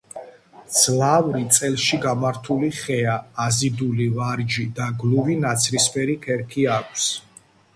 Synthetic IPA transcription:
d̪z̥lavɾit̪sʼɛlˠʃiɡamaɾt̪ʰuliχɛaːzid̪ulivaɾd͡ʒid̪aɡluvinat̪sʰɾispʰɛɾikʰɛɾkʰiakʷʼʰs

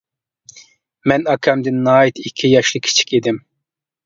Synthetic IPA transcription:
mɛnɑkʲʰɛmd̪ɪnːɑːit̪ikʲʰːijɑʃlˠɨkʲʰi̥t͡ʃʰi̥kʲid̪ɪm

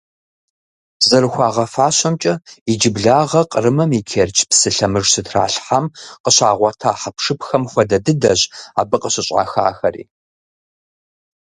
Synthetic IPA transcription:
zɐɾɨxʷɑːʁɐfaːɕɐmt͡ʃʼɐid͡ʒɪbɮaːʁɐqʼərɨmɐmikʰert͡ʃʰʼpsɨɬɐmɨʐsɨtʰra̰ːɬħamqəɕaːʁʷɔtʰaːħapʂɨpʰxɐmxʷɐdɐdɨdɐʑa̰ːbɨqʼəɕɪɕʼa̰ːxa̰ːxɐrḭː

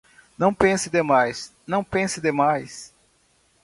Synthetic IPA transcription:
nɐ̃w̃pẽsɪd̪emajs | nɐ̃w̃pẽsɪd̪emajs

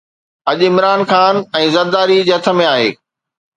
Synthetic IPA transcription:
ɐʄɪmɾaːnxaːnɛ̃ːzɐɾd̪aːɾid͡ʑeɐt̪ʰə̆mẽaːɦḛː

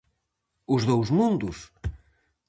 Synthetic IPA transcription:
uzðowzmũnd̪us

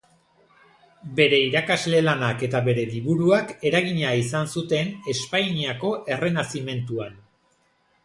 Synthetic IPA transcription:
be̞ɾe̞iɾakazle̞lanake̞t̪aβe̞ɾe̞liβuɾuake̞ɾaɣ̞iɲaisansut̪e̞ne̞spajɲiako̞ʔe̞re̞nasime̞nt̪uan

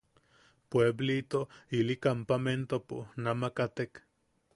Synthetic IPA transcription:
pweblit̪oilikampament̪opunamakat̪ek

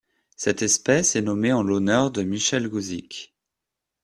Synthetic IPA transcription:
sɛt̪ɛspɛsɛnɔmeɑ̃lɔnœʁd̪əmiʃɛlɡuzikʲ

